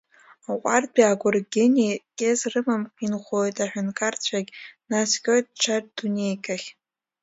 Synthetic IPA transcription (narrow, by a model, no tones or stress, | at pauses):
aqʷʼarbiaɡʷʊrɡʲɪnikʲʼezrɨmamqʼinχʷojtʼaħʷᶣʊnkʼart͡ɕʷʰaɡʲnaskʲʼojt̚ʼʈ͡ʂʰaddunʲejkʼaχʲ